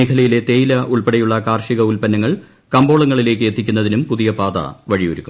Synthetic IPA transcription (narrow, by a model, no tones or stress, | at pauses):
eːkʰɐlɐjile̞t̪e̞ːjilɐʔuɭpɐɽɐjuɭːɐkaːrʂiɣɐulpɐnːɐŋːɐɭ | kɐmbo̞ːɭɐŋːɐɭile̞ːk̬ːɨet̪ːikʲːunːɐðinumpuðijɐpaːd̪ɐ̰ʋɐɻijoɾukʲːum